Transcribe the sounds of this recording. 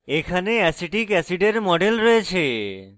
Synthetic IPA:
ekʰaneɛsiʈikɛsiɖeɾmɔɖelɾɔjet͡ɕʰe

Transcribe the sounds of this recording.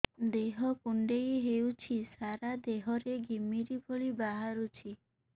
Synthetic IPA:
d̪eɦɔkuɳɖejɦewt͡ʃʰisaɾad̪eɦɔɾeɡʱimiɾibʱoɭibaɦaɾut͡ʃʰi

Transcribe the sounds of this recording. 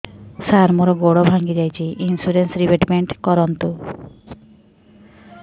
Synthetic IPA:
saɾmɔɾɔɡoɽobʱaŋɡid͡ʒajt͡ʃʰiʔinsuɾensɾibeʈmeɳʈkɔɾɔnt̪u

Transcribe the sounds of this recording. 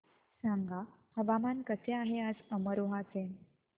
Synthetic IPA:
sãŋɡahəʋamankət͡seaɦeəsəməɾoɦat͡sen

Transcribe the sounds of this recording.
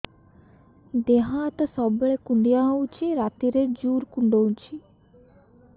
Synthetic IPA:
d̪eɦãt̪sɔbɭekuɳɖijãũt͡ʃʰiɾat̪iɾed͡ʒuːɾkuɳɖoũt͡ʃʰi

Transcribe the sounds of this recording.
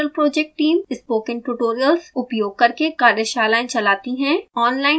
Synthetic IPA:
əlpɾoːd͡ʒɛk̚ʈːiːmɪspoːkɪ̃ŋʈuʈoːɾijəlsʊpjoːɡ̚kɐɾkekaːɾjəʃaːlaːẽt͡ʃɐlaːt̪iɦɛ̃ɔːnlaːɪ

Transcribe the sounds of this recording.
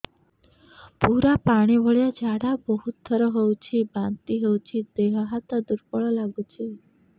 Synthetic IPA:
puɾapaɽ̃ibʱɔɭjad͡ʒaɽabɔɦut̪ːɔɾɔɦewt͡ʃʰibant̪iɦowt͡ʃʰid̪eɦɔɦat̪ɔd̪uɾpɔɭɔlaɡut͡ʃʰi

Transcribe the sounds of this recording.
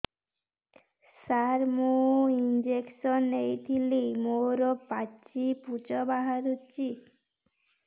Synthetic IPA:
saɾmoind͡ʒeksɔnejt̪ʰilimoɾɔpat͡ʃiput͡ʃɔbaɦaɾut͡ʃʰi

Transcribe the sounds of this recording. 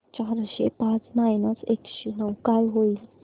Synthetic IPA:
t͡ɕaɦɾɕḛpat͡snajnət͡sekɕenəwkalɦoi

